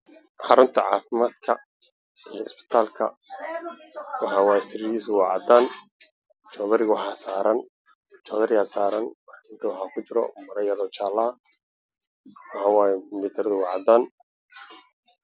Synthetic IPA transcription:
ħɑ̰ɾʊnt̪ʰɐʕa̰ːfɪmaːd̪kʰɐ̰ | iɪspɪ̥t̪ʰaːlkʰɐ̰ | wɑħɑːwaːjɛsɪɾiːsʊwɑʕɑ̰d̪aːn | t͡ʃɔːðɐɾɪɣwħasaːɾɐn | t͡ʃɔːðɐɾɪasaːɾɐnlaːkʰɪnt̪ʰɐwɑħaːkʰʊt͡ʃɪɾɔ̰mɐɾɐjɐlɔːt͡ʃaːlɐɐ | wɑħɑːwaːjɛʊmbɪt̪ʰɐɾɐðʊwɑʕd̪aːn

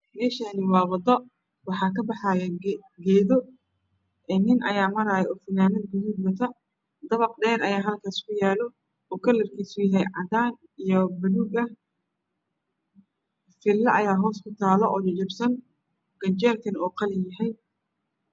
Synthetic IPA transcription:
mɛːʃaniwɑːwɐd̪ɔ | wɑħɑːkʰɐbɑħɑːjɐɡɛːðɔ | ʔɛnɪnʔɐ̰jaːmɐɾaːjɛʔɔfɐnaːnɐd̪ɡʊðuːbwɐt̪ʰɐ | d̪ɐβɑqdɛːɾɐjaːɦɐlkʰaːskʰʊjaːlɔ | ɔkʰɐlɐrkʰiːsʊjɐɦɛjʕɑd̪aːn | ijɔbʊðuɡɐ | fɪlːɐʔɐjaːɦɔːskʰʊt̪ʰaːlɔʔɔːd͡ʒʊt͡ʃɪbsɐn | ɡ̥ɐɲt͡ʃɛːlt̪ʰɐnɔːqɑlɪjɐɦɛj

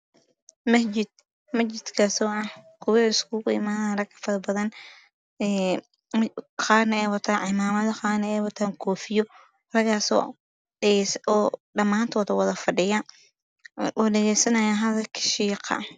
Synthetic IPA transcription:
mɐɪd̪ | mɐt͡ʃɪt̪kʰɐsɔːɐhkʰʊwɪɪskʰuːkʊɪ̰maːɾɐkʰɐ̥fɐðbɐðɐn | ɛː | qaːnɐɛːwɐt̪ʰaːʕɪmaːmɐðɐqaːnɐɛːwɐt̪ʰaːŋkʰɔːfɪjɔ | rɐɣaːsɔ̰ː | sɔːɗɐmaːnt̪ʰɔːðɐwɐðɐfɐɖɪja | ɔːɖɛɣɛjsɐnɐjaɦɐðɐlkʰɪ̥ʃiːqʰɐ̰

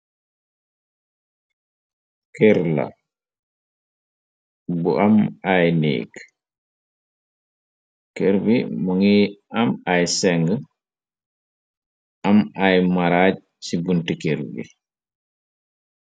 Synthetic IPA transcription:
kɛɾla̰ | buʔamajnḛːk | kɛɾbḭmuŋiʔamajsɛŋɡə | ʔamajmaɾaːɟ̚ | sibuntikeɾbḭ

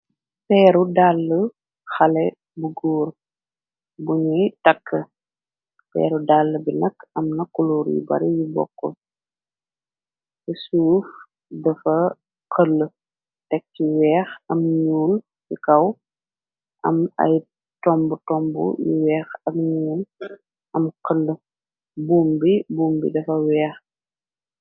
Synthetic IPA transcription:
pɛːɾudalːə | xɐlɛ | buɡuːr | buɲutɐkːə | pɛ̰ːɾudalːəbinɐkːɐmnɐkːuluːɾjṵbɐ̰ɾijibɔ̰kːɔ̰ | tɛsuːf | dɐfɐ | qəlː | tɛk̚ciwɛːxɐmɲuːn | jikɐw | ʔɐmɐ̰j | tɔmbutɔmbṵjḭwɛːxɐmɲuːn | ɐmqəlːə | buːmbibuːmbḭdɐfɐwɛːx

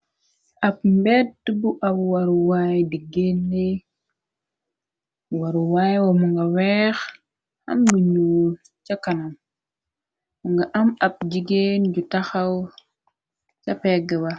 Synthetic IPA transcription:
ʔapmbetdubuʔabwaɾuwajdiɡenːi | waɾuwajwamuŋɡawex | a̰mɡiɲuwu | t͡ʃakanam | muŋɡaʔamap̚d͡ʒiɡend͡ʒutaxaw | t͡ʃapeɡewa

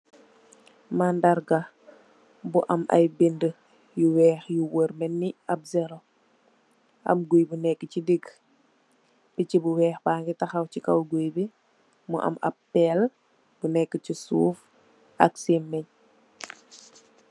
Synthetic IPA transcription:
mandɐɾɡɐ | buʔɐ̰mʔɐ̰jbində | juwɛːxjuwəɾmɛnːiɐp̚zɛɾo | ʔɐ̰mɡujbunɛkːəcidiɡ | b̥icibuwɛːxbaːŋɡitɐxɐwcikɐwɡujbi | mṵʔɐ̰mɐ̰pːɛl | b̥unɛkːəcisuːf | ʔɐksimːɛɲ

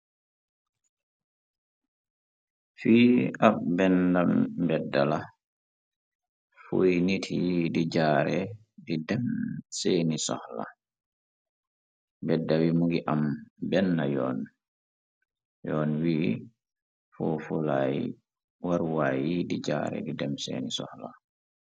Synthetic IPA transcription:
fiːabɛndambɛdːala | fojnitʰijdid͡ʒaːɾɛ | didɛmseːnisɔ̰hla̰ | bɛdːawimuɡiʔambɛnːajɔːn | jɔnwiː | fɔfulaj | waɾwajidid͡ʒa̰ɾɛ̰didɛmsḛːnisɔ̰hla

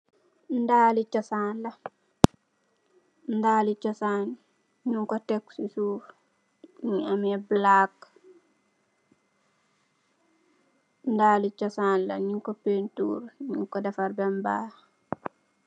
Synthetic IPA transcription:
ndaːlit͡ʃɐsanlɐ | ndaːlit͡ʃɔsaːn | ɲuŋkɔtɛkːsisuːɾ | ɲiamɛblak | ndaːlit͡ʃɐsaːnlɐ̰ɲuŋkopentṵːɾɲuŋkɔdɐfaɾbɛmba̰

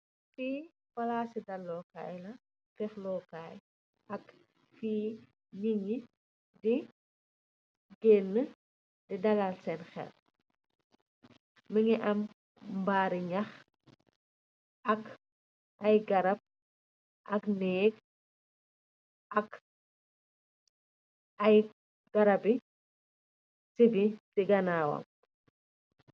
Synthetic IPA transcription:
fiː | wɐlaːsidɐlːɔːka̰ːjlɐ | tɛxlɔkaːj | ʔɐk | fiː | niŋi | di | ɡɛːnːə | dɛdɐlalsɛnxɛ̰l | məŋiʔɐm | mbaːɾiɲɐx | ɐk | ʔɐjɡɐɾɐp̚ | ʔɐknɛːk̚ | ɐk | ɐj | ɡ̥ɐɾɐbi | sibitiɡɐnaːwɐ̰m

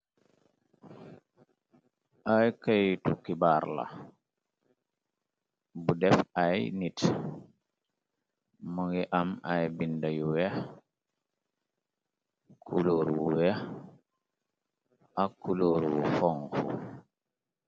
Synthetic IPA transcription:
ʔajkajtukibaɾla̰ | budɛfajnit | muŋɡiʔamajbindajuwɛ | kʰuloɾwwuwɛ | akːuloɾwufɔŋkṵ

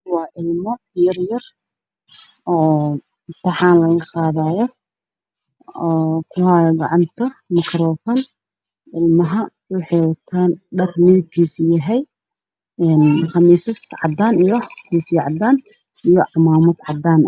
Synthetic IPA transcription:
wɑːʔɪlmɔ | jɐrjɐr | ɔː | t̪ʰɐħɑːnlɐɣɐqɑːðaːjɔ | ɔːkʰʊhaːjɡɑʕɑnt̪ʰɐmɐkrɔːfɔːn | ʕɪlmɐɦɐ | wʊħɑjwɑt̪ʰaːnɖɐrmɪɪb̚kʰiːsjɐɦɛj | ɛnχɑmiːsɐsʕɑ̰d̪aːnijɔkuːfiʕɑd̪aːn | ijɔʕɑmaːmɐd̪ʕɑd̪aːn

